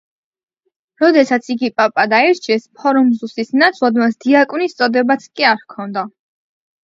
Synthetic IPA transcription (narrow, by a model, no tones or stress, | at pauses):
ɾɔd̪ɛsat̪sʰiɡipʼapʼad̪aɛɾt͡ʃʰiɛspʰɔɾumzusisnat̪sʰlˠad̪masd̪iakʼunist̪sʼɔd̪ɛbat̪sʰkʼiaɾkʰɔnd̪a